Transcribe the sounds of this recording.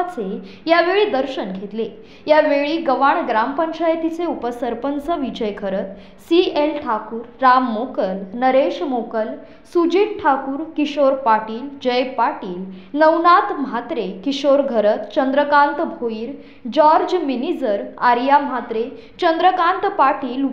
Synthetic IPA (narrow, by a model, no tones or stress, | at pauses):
t͡se | jaʋeɭiːd̪əɾɕənɡʱet̪le | jaʋeɭiːɡəʋaɳɡɾampəɲt͡ɕajt̪it͡seupəsəɾpənsəʋid͡ʑəjkʰəɾət̪ | sielʈʰakuːɾːamːokəlnəɾeɕmokəl | sud͡ʑiːʈʈʰakuːɾkiɕoɾpaʈiːld͡ʑəjpaʈiːl | nəwnat̪mɦat̪ɾekiɕoɾɡʱəɾət̪t͡ɕənd̪ɾəkant̪bʱoiːɾ | d͡ʑɔɾd͡ʑminid͡zəɾaɾjamɦat̪ɾe | t͡ɕənd̪ɾəkant̪paʈiːl